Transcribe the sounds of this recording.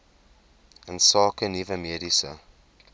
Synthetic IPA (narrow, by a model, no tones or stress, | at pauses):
ə̃nsɑːkʰə̃nivəmeɾisə